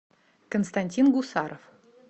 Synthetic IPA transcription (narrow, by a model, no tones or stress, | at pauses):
konst̪anʲtʲinɡusɑɾof